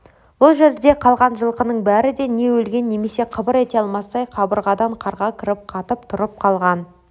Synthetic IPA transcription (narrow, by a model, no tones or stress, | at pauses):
bʊlˠʒe̞ɾd̪d̪e̞qʰɑlˠʁɑnʒəlˠqənəɴbæɾɪd̪e̞ne̞wɵlɡʲe̞nːe̞me̞se̞qʰəbəɾe̞t̪eɑlˠmɑsd̪ɑjqʰɑbəɾʁɑd̪ɑɴqʰɑɾʁɑkʲʰɪɾɪp̚qʰɑt̪əpt̪ʰʊɾəp̚qʰɑlˠʁɑn